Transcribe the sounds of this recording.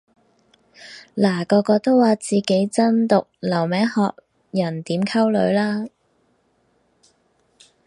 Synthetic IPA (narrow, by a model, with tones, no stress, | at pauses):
laː˨˩kɔː˧kɔː˧t̪o˥wːaː˨˧t͡siː˨ke˨˥jt͡sɐ˥nt̪ʊ˨k̚lɐ˨˩wmɛː˨˥ŋhɔ̰ː˧k̚ | jɐ˨˩nt̪iː˨˥mkʰɐ˥wlɵ˨˧˥ɥlaː˥